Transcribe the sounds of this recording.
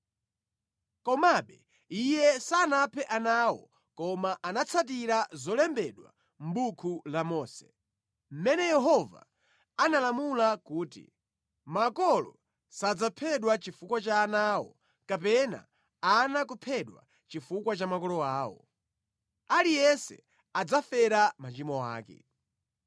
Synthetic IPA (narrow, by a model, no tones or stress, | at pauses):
kɔmaɓɛ | ijɛsanapʰɛʔanawɔ̰ | kɔmaʔanat͡sʰatiɾazɔlɛmbɛɗwa̰ | m̩bukʰulamɔːsɛ̥ | m̩mɛnɛjɛɦɔva̰ | analamulakuːtḭ | makɔlɔ | sad͡zapʰɛɗwat͡ʃifukwat͡ʃaːnawɔ̰ | kapɛna̰ | anakupʰɛɗwa̰ | t͡ʃifukwat͡ʃamakɔlɔaːwɔ̰ | alijɛsɛ̰ | ad͡zafɛɾamat͡ʃimɔwa̰ːkɛ̰